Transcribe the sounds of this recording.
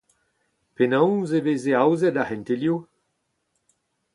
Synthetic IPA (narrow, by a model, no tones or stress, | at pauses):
penãw̃zeveːzeawzɛdahɛ̃nt̪elju